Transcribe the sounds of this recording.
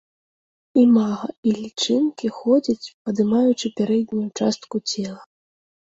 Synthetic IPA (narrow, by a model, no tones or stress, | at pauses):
imaɣɐilʲit͡ʂɨnkʲixɔd͡zʲit͡sʲpɐd̪ɨmajut͡ʂɨpʲaɾɛd̪ʲnʲujut͡ʂast̪kut͡sʲɛlˠɐ